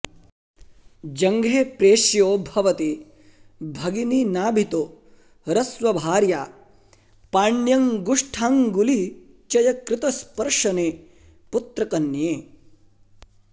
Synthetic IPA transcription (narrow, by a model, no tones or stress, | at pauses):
d͡ʒɐŋɡʱeːpɾeːʃjoːbʱɐʋɐt̪i | bʱɐɡininaːbʱit̪oː | ɾɐsʋɐbʱaːɾjaː | paːɳjɐŋɡuʂʈʰaːŋɡuli | t͡ʃɐjɐkɾɪt̪ɐspɐɾʂɐneː | put̪ɾɐkɐnjeː